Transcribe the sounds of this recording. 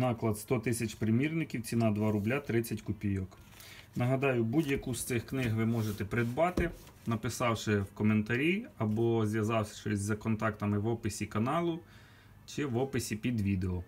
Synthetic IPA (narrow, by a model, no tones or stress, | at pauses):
nɑklˠɐd̪st̪ɔt̪ɪsʲɐt͡ʃpɾɪmʲirnɪkʲiwt͡sʲinɑd̪ʋɑɾʊblʲat̪ɾɪt͡sʲːɐtʲkʊpʲijɔk | nɐɦɐd̪ɑjʊbudʲjɐkust̪sɪxknɪɦʋɪmɔʒet̪ɛpɾɪd̪bɑt̪ɪ | nɐpɪsɑwʃɪwkɔment̪ɐɾʲiɐbɔzʲjɐzɑwsʲɐ̥ʃt͡ʃɔsʲzɐkɔnt̪ɑkt̪ɐmɪʋɔpɪsʲikɐnɑlˠʊ | t͡ʃɪʋɔpɪsʲipʲid̪ʋʲid̪eɔ